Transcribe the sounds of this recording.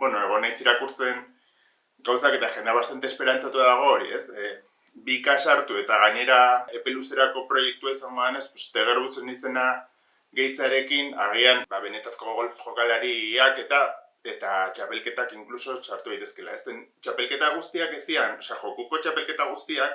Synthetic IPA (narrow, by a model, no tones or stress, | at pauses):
bwenoe̞ɣ̞o̞najsiɾakuɾt͡se̞ŋ | ɡawsake̞t̪aʝe̞nd̪aβast̪ant̪espe̞ɾant͡sat̪uaðaɣ̞o̞ːɾḭe̞s | bikasaɾt̪ue̞t̪aɣaɲe̞ɾae̞pe̞luse̞ɾako̞pɾo̞je̞k̚t̪uaisaŋɡo̞ðene̞spust̪eɣ̞e̞ɾβut͡senise̞na | ɣe̞jt͡saɾe̞kinaɣ̞ianbaβe̞ne̞t̪asko̞ɣolfʝo̞kalaɾiake̞t̪a | e̞t̪at͡ʃape̞lke̞t̪akiŋkluso̞saɾt̪uðajt̪e̞ske̞la̰e̞sent͡ʃape̞lke̞t̪aɣ̞ust̪iake̞st̪ianosaʝo̞kuko̞t͡ʃape̞lke̞t̪aɣust̪iak